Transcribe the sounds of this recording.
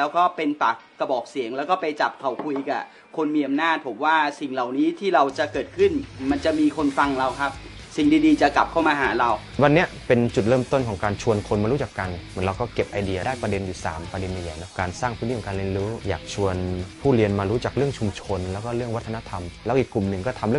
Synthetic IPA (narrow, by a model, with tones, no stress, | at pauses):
lɛː˦˥wkɔː˥˩pe˧npa˨˩k̚ːa˧˩bɔː˨˩k̚si˨˩˦ŋlɛː˦˥wkɔː˥˩pa˧jt͡ɕa˨˩p̚kʰa˨˩wkʰu˧jʔiː˨˩kʔa̰˨˩ | kʰo˧nmiː˧ʔa˧mnaː˥˩t̪̚pʰo˩˦mwaː˥˩si˨˩ŋla˨˩wniː˦˥t̪ʰiː˥˩ɾa˧wt͡ɕa˨˩kɤː˨˩t̪̚kʰɯ˥˩nma˧nt͡ɕa˨˩miː˧kʰo˧nfa˧ŋɾa˧wkʰa˦˥p̚ | si˨˩ŋdiː˧diː˧t͡ɕa˨˩ka˨˩p̚kʰa˥˩wmaː˧ɦaː˩˦ɾa˧w | wa˧nːi˦˥ɐʔpe˧nt͡ɕu˨˩t̪̚ɾɤː˥˩mt̪o˥˩nkʰɔː˩˦ŋkaː˧nt͡ɕʰu˧ənkʰo˧nmaː˧ɾu˦˥t͡ɕa˨˩kːa˧nmmɯ˩˦nɾa˧wkɔː˥˩ke˨˩p̚ʔa˧jdi˧ɐ˧daː˥˩jpɾa˧de˧njuː˨˩sa̰ː˩˦mpɾa˧de˧nja˨˩jaː˨˩nɔ˦˥˩kaː˧nsaː˥˩ŋp̪ʰːiː˥˩ɔ˩˦kaː˧li˧ə˧nɾuː˦˥jaː˨˩k̚t͡ɕʰu˧ənpʰuː˥˩ɾi˧ənmaː˧ɾuː˦˥t͡ɕaː˨˩k̚ɾɯ˥˩əŋt͡ɕʰu˧mt͡ɕʰo˧nlɛː˦˥wkɔː˥˩ɾɯ˥˩əŋwa˦˥t̪ʰːa˧na˦˥t̪ʰa˧mlɛː˦˥ʔiː˨˩kːlu˨˩mnɯ˨˩ŋkɔː˥˩t̪ʰa˧mɾɯ˥˩ə˨